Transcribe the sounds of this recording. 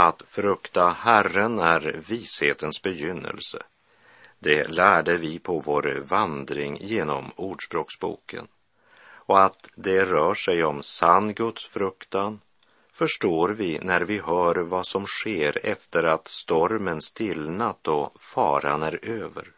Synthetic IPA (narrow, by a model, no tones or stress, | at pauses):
at̪fɾɵkt̪ahærənæɾviːsheːt̪ənsbɛjʏnːə̰lsə̰ | d̪ɛlæːɖəvɪpʰɔvoːɾvand̪ɾɪŋjeːnɔ̰muːɖʂbɾoːksbṵːkə̰n | ɔat̪d̪ɛɾœːʂɛjɔmsanːɡɵt̪sfɾɵkt̪an | fœʂʈoːɾvɪnæɾvɪɦœːɾvasɔmɧeːɾɛ̰ft̪əɾat̪st̪ɔɾmənst̪ʰɪlnat̪ːɔfɑ̰ːɾanæɾøːvə̰ɾ